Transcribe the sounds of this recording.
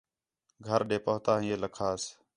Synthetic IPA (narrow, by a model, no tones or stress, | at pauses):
ɡʱəɾɗeːpəɦt̪ãːɦĩːeːləkʰaːs